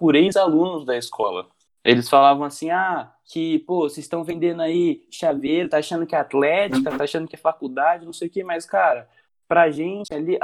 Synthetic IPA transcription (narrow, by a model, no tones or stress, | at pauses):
pʊɾejzalũnʊzd̪ɐɪskʰɔ̰lɐ̰ | elɪsfalavɐ̃w̃asĩa | kɪposɪst̪ɐ̃w̃vẽnd̪ẽnd̪ʊaiʃaveɾt̪aːʃɐ̃nd̪ʊkɪɛat̪lɛt͡ʃikɐt̪aʃɐ̃nd̪ʊkɪɛfakud̪ad͡ʒɪnɐ̃sejʊkemɐskaɾɐ | pɾɐʒẽnt͡ʃɪaliʔ